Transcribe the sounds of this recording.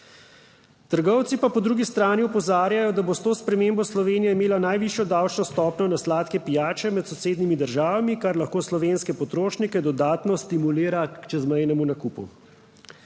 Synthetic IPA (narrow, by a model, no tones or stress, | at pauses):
t̪əɾɡɔwt̪sipapɔd̪ɾuːɡist̪ɾaːniɔpɔzaːɾjajɔd̪abost̪oːspɾɛmembɔslɔʋeːnijaimeːlanajʋiʃjɔd̪awt͡ʃnɔst̪ɔːpnɔnaslaːt̪kɛpijaːt͡ʃɛmɛt̪sɔseːd̪nimid̪əɾʒaːʋamikaɾlaxkoːslɔʋeːnskɛpɔt̪ɾoːʃnikɛd̪ɔd̪aːt̪nɔst̪imuliːɾakt͡ʃɛzmɛjnɛmunakupṵ